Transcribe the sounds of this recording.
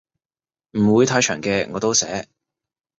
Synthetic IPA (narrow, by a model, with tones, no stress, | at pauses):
m̩˨˩wuː˨˧jt̪ʰaː˧jt͡ʃʰœː˨˩ŋkɛː˧ŋɔː˨˧t̪o˥wsɛ̰ː˨˥